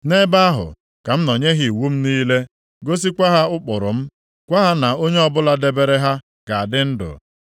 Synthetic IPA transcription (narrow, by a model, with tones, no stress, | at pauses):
ne˦ba˦a˦ɦʊ̰˨ | ka˨m̩˦nɔ˨ɲe˦ɦi˨wu˦m̩˦niː˦le˦ | ɡo˦s̬i˦kʷa˦ɦa˦ʊ˦k͡pʊ˨ɾʊ̰˨m̩˦ | kʷa˦ɦa˦na˨o˦ɲe˦ɔ˦bʊ˦la˦de˦be˦ɾe˦ɦa˦ | ka˨a˨dɪ˦n̩˦dʊ̰˨